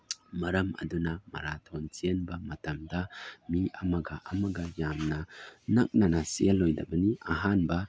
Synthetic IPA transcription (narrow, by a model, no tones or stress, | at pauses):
mɐɾɐmɐ̰dunɐmɐ̰ɾatʰont͡ʃienbɐmɐtɐmdɐmiɐmɐɡaʔɐmɐɡɐjamnɐnɐk̚nanɐsielːojdɐ̰bɐniɐɦanbɐ